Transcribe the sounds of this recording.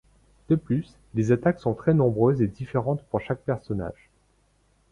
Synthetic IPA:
d̪̥əplys | lezat̪aksɔ̃t̪χɛnɔ̃bʁøzed̪ifeʁɑ̃t̪puʁʃak̚pɛʁsɔna̰ːʒ

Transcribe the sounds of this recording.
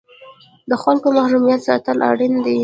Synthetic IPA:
d̪əxalkomahɾumijat̪sɑ̰t̪əlʔa̰ɽind̪i

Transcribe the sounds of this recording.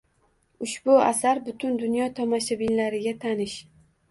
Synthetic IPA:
ʊʃbʊasaɾbʊt̪ʰʊnd̪ʊnjɒt̪ʰɒmaʃabɪllaɾɪɡʲat̪ʰanɪʃ

